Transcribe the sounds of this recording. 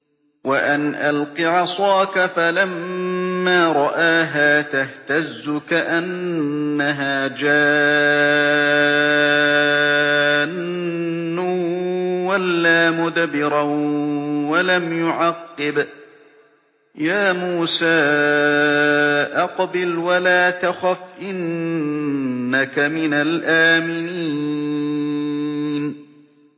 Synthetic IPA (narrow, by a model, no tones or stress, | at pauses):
waʔanʔalqiʕɑsˤɑːkafalamː | aːɾˤɑʔaːɦaːt̪aht̪azːʊkaʔanːaɦaːd͡ʒaː | nː | ʊ | walːaːmʊd̪abɪɾa | walamjʊʕɑqːɪb | jaːmuːsaː | ʔɑqbɪlwalaːt̪axafʔɪn | akamɪnalʔaːmɪniː | n